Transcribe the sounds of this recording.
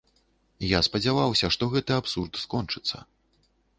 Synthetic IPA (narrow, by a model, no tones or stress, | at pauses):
jaspɐd͡zʲavawsʲɐʂt̪ɔɣɛt̪ɨapsurt̪skɔnt͡ʂɨt̪sːɐ̰